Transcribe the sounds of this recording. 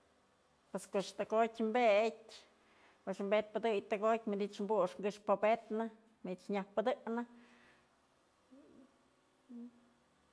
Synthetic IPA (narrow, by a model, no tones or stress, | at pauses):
pweskoʂt̪ɨkotʲmbet̚ʲ | pɨʔʂmbet̪̚pɨd̪ɨjt̪ɨkot̚ʲmid̪it͡ʃmbuʔʂŋɡɨʂpobet̪nɨ | miit͡ʃɲahpɨd̪ɨnɨ